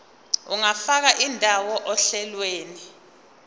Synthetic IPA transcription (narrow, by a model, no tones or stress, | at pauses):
uŋafak̬aʔindʱawɔʔɔɬɛlweːni